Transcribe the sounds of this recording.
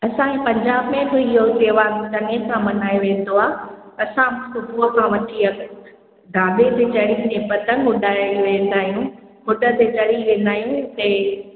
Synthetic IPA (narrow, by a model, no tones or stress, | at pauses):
ɐsãẽpɐ̃ɲd͡ʑaːbmẽd͡ʑ̪oɪɦoseːʋat̪ɐnesãmɐnaːjoʋẽːnd̪oaːɦɐsãmʊ̃kʊbuəkʰãʋɐʈʰiɐ | d̪ãːd̪et̪et͡ɕɐɽit̪ẽpɐt̪ə̃ŋʊɗaːiʋẽːn̆d̪aːɦijũ | kʊʈət̪et͡ɕɐɽiʋẽːnd̪aːɦijũt̪e